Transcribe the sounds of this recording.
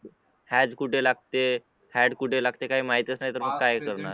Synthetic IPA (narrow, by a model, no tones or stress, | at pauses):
hɛd͡zkuʈʰelaɡ̚t̪e | hɛɽkuʈʰelaɡt̪ekaɦiːmaɦit̪ət͡snaɦjt̪əɾməɡkajkəɾna